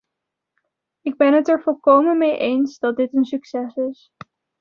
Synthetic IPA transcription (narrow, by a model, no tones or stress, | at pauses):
ɪɡ̚bɛnɦətɛɹvɔlˠkowmənmejʔejnsdɑt̚dɪtənsyksɛsɪs